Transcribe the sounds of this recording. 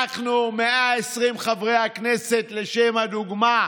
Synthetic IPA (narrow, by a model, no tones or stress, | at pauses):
aχnumeaesʁimχavʁejhaknese̞t̪le̞ʃemhad̪uɡma